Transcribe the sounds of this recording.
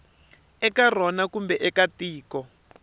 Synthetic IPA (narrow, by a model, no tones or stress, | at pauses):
ɛkar̤ɔnakumbɛʔɛkatiːkɔ